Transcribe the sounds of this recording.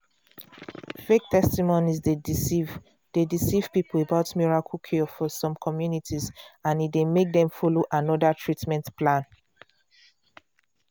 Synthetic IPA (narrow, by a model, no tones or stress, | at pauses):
fek̚tʰɛstimonizde | d̥edisiv̥pipəl̩ebaʊtmiɹakʰəlkʰefɔsɔ̃mkʰɔmjunitizãnit̚demek̚dɛ̃mfɔloʔãnɔdatʰɹitmɛ̃ntplãn